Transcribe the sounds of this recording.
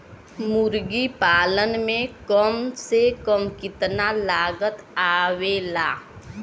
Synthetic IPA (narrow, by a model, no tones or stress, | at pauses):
mʊɾɡipaːlənmẽkəmsekəmkɪt̪nalaːɡət̪aːwelaː